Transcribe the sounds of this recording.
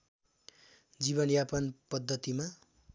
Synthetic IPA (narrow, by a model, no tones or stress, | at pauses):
d͡ziβʌnjapʌnpʌd̪ʱːʌt̪ima